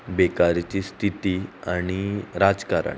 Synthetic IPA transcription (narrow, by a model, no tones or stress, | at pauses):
bekaɾt͡ɕiːst̪ʰit̪iaɽ̃iɾad͡zkaɾa̰